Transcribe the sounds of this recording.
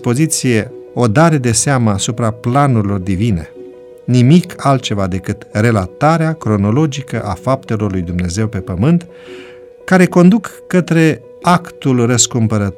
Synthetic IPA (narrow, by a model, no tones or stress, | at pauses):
po̞zit̪sije̞o̞d̪aɾe̞d̪e̞seaməasupɾaplanuɾilo̞rd̪ivine̞̰ | nimikʰalt̪̚t͡ʃe̞vad̪e̞kɨt̪re̞lat̪aɾeakɾo̞no̞lo̞d͡ʒikəʔafap̚t̪e̞lo̞rlujd̪umne̞ze̞wpe̞pəmɨnt̪ | kaɾe̞ko̞nd̪ukːət̪ɾe̞ | akt̪ulrəskumpəɾət̪